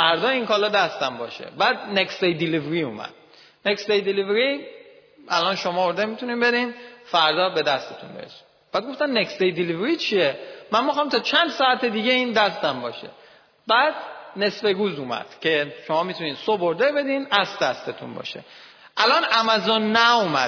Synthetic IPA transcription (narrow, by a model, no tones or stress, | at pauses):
fæɾd̪ɒːinkʰɒːlɒːd̪æst̪æmbɒ̰ʃḛbæːd̪̚nekst̪ejd̪ilivɾiuːmæ̰d̪̥̚ | nekst̪ejd̪ilivɾi | ʔæ̰lɒnʃomɒːoɾd̪emit̪ʰuniːnbe̞ɾinfæɾd̪ɒːbe̞d̪æst̪et̪ʰunbeɾḛsi̥m | b̥æːd̪̚ɡoft̪ænnːekst̪ejd̪ilivɾit͡ʃʰiemænmixɒːmt̪ʰɒːt͡ʃʰænd̪sɒæt̪ed̪iːɟe̞iːnd̪æst̪æmbɒːʃḛ | bæːd̪̥ne̞sbeɾuːzumæ̰d̪̥cʰe̞ʃomɒːmit̪ʰuniːnsoboɾd̪ebe̞d̪inæsd̪æst̪et̪ʰṵnbɒ̰ːʃḛ | ʔælɒːnæmæzonːæumæ̰